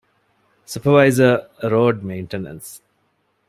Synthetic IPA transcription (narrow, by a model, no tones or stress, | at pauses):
sʊpəʋaɪzəɾoːɖmẽɪ̃ɳʈenə̰̃ns